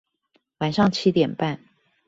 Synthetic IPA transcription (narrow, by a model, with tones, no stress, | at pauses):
wa˨˩nʂɑ˥˩ŋt͡ɕʰi˧˥t̪jɛ˨˩npa˥˩n